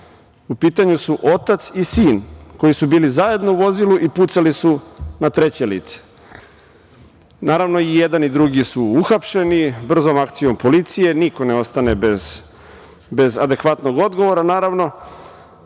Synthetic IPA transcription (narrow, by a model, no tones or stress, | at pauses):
upiːt̪aɲusuʔo̞t̪at̪sisiːnko̞jisubiːlizaje̞d̪no̞uʋo̞zilˠuʔiput̪salisunat̪ɾe̞t͡ɕelḭːt̪se̥ | naːɾaʋno̞ijed̪anid̪ɾuɡisuuxapʃe̞nibr̩zomakt̪sijo̞mpolit̪sije̞niko̞neo̞st̪anebez | be̞zad̪e̞kʋat̪noɡo̞d̪ɡo̞ʋo̞ɾanaːɾaʋno̞